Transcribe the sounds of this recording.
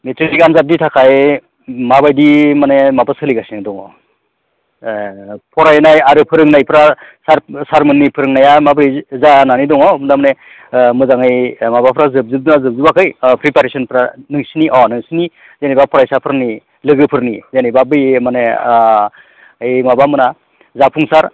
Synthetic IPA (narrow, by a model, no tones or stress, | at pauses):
metɾiikamzat̬̚nitʰakʰaj | mabajdimanemapɯsʰɯliɡasinadɔŋɔ | pʰɔɾajnajaɾɯpʰɯɾɯŋnajpʰɾasaɾsaɾmɯnːipʰɯɾɯŋnajamabɯjzananidɔŋɔmɯdamne | mɯzaŋɯjmabapʰɾazɯb̚zɯb̚dnazɯb̚zɯbakʰɯjpɾipaɾesɔnpʰɾanɯŋsiniʔɔnɯŋsini | zenijbapʰɔɾajsapʰɯɾni | lɯɡɯpʰɯɾnizenijbabɯjmane | ɯjmabamɯna | zapʰuŋsaɾ